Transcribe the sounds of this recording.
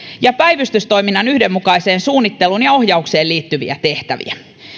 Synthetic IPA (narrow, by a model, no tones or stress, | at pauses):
jɑpæjʋyst̪yst̪o̞jminːɑnyhde̞mːukɑise̞ːnsuːnːit̪ːe̞lunjɑo̞hjɑukse̞ːliːt̪ːyʋḭæ̰t̪e̞ht̪æ̰ʋḭæ